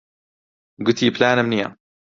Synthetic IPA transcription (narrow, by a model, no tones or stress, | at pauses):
ɡʊt̪iblaːnamnija̰